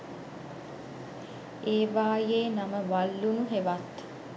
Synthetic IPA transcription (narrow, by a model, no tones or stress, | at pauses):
eːʋaːjeːnaməʋalːunuɦeʋat̪